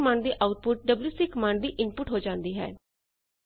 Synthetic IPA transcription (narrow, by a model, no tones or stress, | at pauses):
mãːɳɖd̪iːʔaːʊʈ̚pʊʈ̚ɖəbljuːsɪkəmãːɳɖd̪iːʔɪnpʊʈɦoːd͡ʒãːnd̪iːɦɛ̰ː